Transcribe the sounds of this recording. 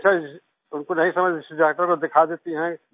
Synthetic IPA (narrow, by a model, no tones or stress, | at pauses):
sa | ʊnkonɐɦĩsɐməd͡ʒɪsɪd͡ʒɛːk̚ʈəɾkod̪ɪkʰad̪eːt̪iɦɛ̃